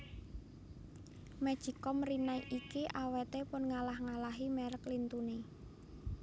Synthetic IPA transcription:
mɛd̥ʒ̥i̤kɔmrinajʔikiʔawet̪epʊnŋalahŋalaɦimɛɾəklint̪une

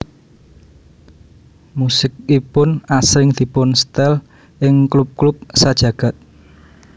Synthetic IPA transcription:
musɪk̚ipʊnasɾɪŋd̪̥i̤pʊnst̪ɛl | ʔɪŋklup̚klup̚sad̥ʒ̥ä̤ɡ̥a̤t̪̚

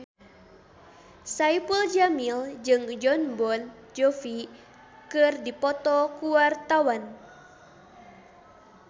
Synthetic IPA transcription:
saipuld͡ʒamild͡ʒɨŋd͡ʒɔnbɔn | d͡ʒɔfi | kɨrdipɔt̪ɔkuwart̪awan

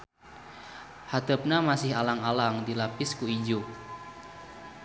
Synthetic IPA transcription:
hat̪əp̚namasɪhalaŋalaŋdilapiskuid͡ʒu

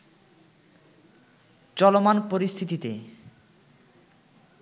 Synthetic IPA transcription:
t͡ɕɔlomanpoɾist̪ʰit̪it̪e

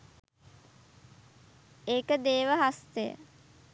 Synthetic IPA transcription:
eːkəd̪eːʋəɦast̪ejə̰

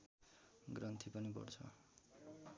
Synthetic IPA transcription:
ɡrʌnt̪ʰipʌnipʌ̰rt͡sʰʌ̰

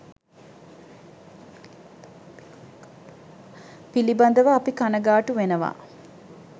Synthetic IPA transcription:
piliband̪əʋəːpikanəɡaːʈuʋenəʋa̰

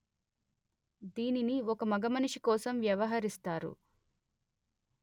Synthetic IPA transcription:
d̪iːniniɔkɐmɐɡɐmɐnuʂikɔːsɐmʋjɐʋɐɦɐɾist̪aːɾṵ

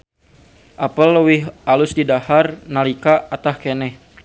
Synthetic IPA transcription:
ʔapəlːəwɪɦʔalʊsdidaharnalikaat̪ahkenɛh

